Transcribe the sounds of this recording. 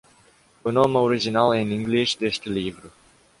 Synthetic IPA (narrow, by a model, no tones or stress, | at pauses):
ɨnomauɾid͡ʒinaleniŋɡliʃd̪est̪livɾu